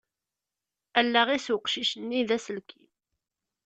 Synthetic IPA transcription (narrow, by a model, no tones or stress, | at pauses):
ælːæʁiswəqʃiʃənːiðæsəlkʰin